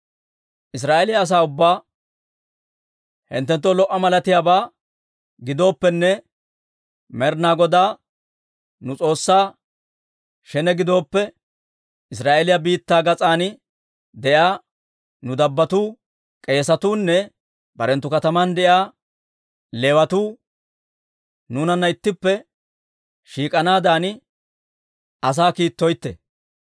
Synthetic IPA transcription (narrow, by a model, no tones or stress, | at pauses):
ʔɪs̬ɾaːʔelɪjɐːs̬aːʊbːaː | hɪ̰nt̪ːɛnt̪̬ːɔlɔʔːɐmɐlɐt̪ɪjaːbaː | ɡɪd̪o̞ːpːɛnːɛ | mɛɾnaːɡɔd̪aː | nʊt͡sʼo̞ːsːaː | ʃɛnɛɡɪd̪o̞ːpːɛ | ɪs̬ɾaːʔelɪjɐbiːt̪ːaːɡɐt͡sʼaːn | d̪ɛʔjaː | nʊd̪ɐbːɐt̪uː | kʼe̞ːsɐt̪uːnːɛ | bɐɾɛnt̪ːʊkɐt̪ɐmɐnd̪ɛʔjaː | le̞ːwɐt̪uː | nuːnɐnːɐɪt̪ːɪpːɛ | ʃiːkʼɐnaːd̪aːn | ɐs̬aːkiːt̪ːɔjt̪ːḛ